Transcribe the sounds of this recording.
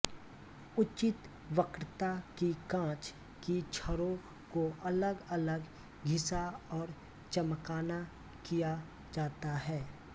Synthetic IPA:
ʊt͡ʃɪt̪ | ʋəkɾt̪akikãːt͡ʃ | kit͡ʃʰəɾõ | koʔɐləɡɐləɡ | ɡʱɪsaɔːɾ | t͡ʃɐmkaːna | kija | d͡ʒaːt̪aɦɛː

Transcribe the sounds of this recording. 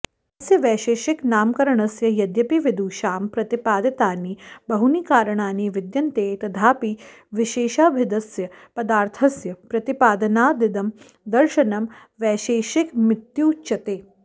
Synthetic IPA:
ɐsjɐʋɛːʃeːʃɪknaːmkɐɾɐɳɐsjɐjɐd̪jɐpiʋid̪uːʃaːmpɾɐt̪ipaːd̪ɐt̪aːniːbɐɦunikaːɾɐɳaːniːʋɪd̪jɐnt̪eːt̪ɐd̪ʰʱaːpi | ʋɪʃeːʃaːbʱɪd̪ɐsjɐpɐd̪aːɾt̪ʰɐsjɐpɾɐt̪ipaːd̪ɐnaːd̪ɪd̪ɐm | d̪ɐɾʃɐnɐm | ʋɛːʃeːʃɪkmɪt̪juːt͡ʃɐt̪eː

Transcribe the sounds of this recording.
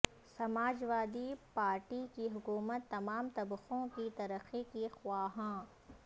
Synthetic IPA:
sɐmaːd͡ʒʋaːd̪ipaːɾʈikiɦʊkuːmət̪ːɐmaːmt̪ɐbxõkit̪ɐɾəxikixwaːɦãː

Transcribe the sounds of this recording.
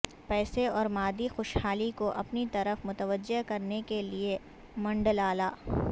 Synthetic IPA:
pɛːseɔːɾmaːd̪ixoːʃhaːlikoʔɐpnit̪ɐɾəfmʊt̪əʋəd͡ʒːeɦkɐɾnekelie | mɐ̃ɳɖəlaːlaː

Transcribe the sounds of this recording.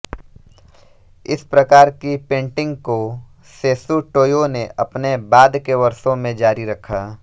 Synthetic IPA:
ɪspɾɐkaːɾkipẽːɳʈɪ̃ŋɡko | seːsuʈoːjoneʔɐpnebaːd̪keʋɐɾsõmẽd͡ʒaːɾiɾɐkʰaː

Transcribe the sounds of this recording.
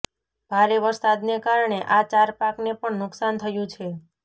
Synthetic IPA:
b̥ʱaɾeʋəɾsad̪nekaɾɳeʔat͡ʃaɾpaknepəɳnʊksant̪ʰəjũt͡ʃʰe

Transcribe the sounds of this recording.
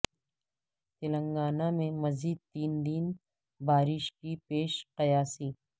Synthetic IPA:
t̪ɪlə̃ŋɡaːnamẽmɐziːd̪̚t̪iːnd̪iːn | baːɾɪʃkipeːʃqɐjaːsiː

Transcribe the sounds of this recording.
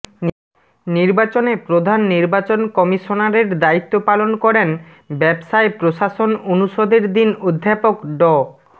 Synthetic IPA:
niɾbat͡ɕonepɾod̪ʱanːiɾbat͡ɕonkɔmiʃonaɾeɾd̪ait̪ːopalonkɔɾen | bɛbsaepɾoʃaʃononuʃod̪eɾd̪inod̪ʱːapokɖɔ

